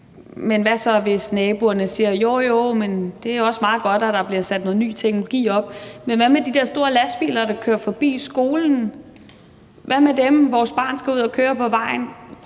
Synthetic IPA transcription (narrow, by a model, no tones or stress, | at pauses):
menʋæsɒ̽ʋe̝snɛːb̥uɐnəsiːɐjo̝ːjo̝mend̥e̝æɐjo̝ɒ̽smɑ̈ːð̩ˠɡ̥ɒ̽d̥æd̥ɑ̈b̥liɐsæd̥no̽ːð̩ˠny̰ːt͡sʰeɡ̥nollo̝ɡ̥ḭːɒ̽b̥̚menʋæmed̥id̥eɐ̰sd̥o̝ːɐlæsb̥ḭːlɐɾ̥ɑ̈kʰøːɐfɒ̽b̥ḭːsɡ̥o̝ːln̩ | ʋæmed̥emʋɒːsb̥ɑ̰̈ːnsɡ̥æuð̞̰ˠɒkʰøːɐpʰɒ̽ʋɑ̈ɪ̰n